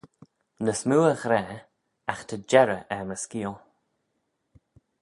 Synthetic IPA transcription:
nəsmuːəɣɾɛː | axt̪ʰəd͡ʒɛɾəʔɛməskiːlˠ

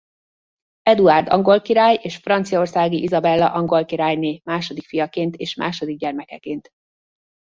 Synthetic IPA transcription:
ɛd̪uard̪ɒ̰ŋɡo̞lkiɾaːjeːʃfrɒnt̪sijɒo̞rsaːɡiʔizɒbɛlːɒʔɒŋɡo̞lkiɾaːjneːmaːʃo̞d̪ikfijɒkeːnt̪eːʃma̰ːʃo̞d̪iɡ̚ɟɛrmɛkɛkeːnt̪

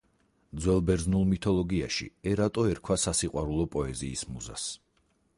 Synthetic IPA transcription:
d̪zwɛlˠbɛɾznulˠmit̪ʰɔlˠɔɡiaʃḭɛɾat̪ʼɔɛɾkʰwasasiqʼwaɾulˠɔpʼɔɛziːsmuza̰s

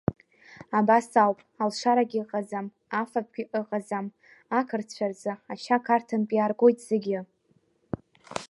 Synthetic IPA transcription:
abasalwpʼalʂaɾaɡʲiqʼazam | afap̚ʰɡʲɪʔɨqʼazam | akʰɨrt͡ɕʷʰard͡zaaʃakʰartʰanpʼjarɡʷo̞jtʼz̥ɪɡʲɪ

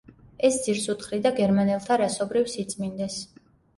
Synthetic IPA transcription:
ɛsd̪z̥iɾsut̪χɾid̪aɡɛɾmanɛlˠt̪ʰaɾasɔbɾifsit̪sʼmind̪ɛs

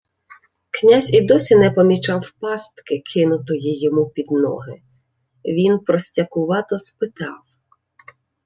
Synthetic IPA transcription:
knʲasʲid̪ɔsʲinɛpɔmʲit͡ʃɑwpɑst̪kɪkʰɪnʊt̪ɔjijɔmupʲid̪nɔ̰ɦɪ | ʋʲinpɾɔsʲtʲɐkʊʋɑt̪ɔspɪt̪ɑ̰w

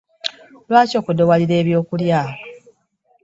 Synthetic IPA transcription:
lwaːco̞ːkudowaliɾe̞ːβjo̞ːkuljaːɦa

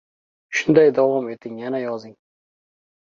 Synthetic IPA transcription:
ʃʊnd̪ajd̪awɒme̞t̪ʰɪŋjanajɒzɪŋ

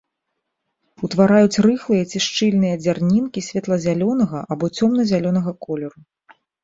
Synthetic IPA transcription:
ut̪vaɾajut͡sʲrɨxlˠɨjɐt͡sʲiʂt͡ʂɨlʲnɨjɐd͡zʲarnʲinkʲisʲvʲɛt̪lˠɐzʲalʲɔnɐɣɐʔabɔt͡sʲɔmnɐzʲalʲɔn̪ɐɣɐkɔlʲɛɾu

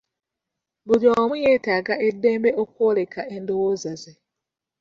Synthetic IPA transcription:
βujomujeːtaɡaʔedːeːmbeʔokwolekʰaʔendowozaze

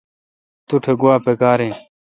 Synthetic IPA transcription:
t̪uʈʰeɡuaːpekaːɾĩː

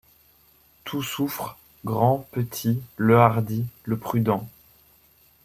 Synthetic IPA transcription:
t̪ʰusufχ | ɡʁɑ̃pət̪ʰiləaʁd̪iləpχyd̪ɑ̃

